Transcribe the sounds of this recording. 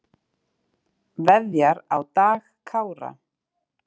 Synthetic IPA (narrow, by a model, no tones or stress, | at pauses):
vɛðjaɾawt̪aːɣkʰaːwɾa̰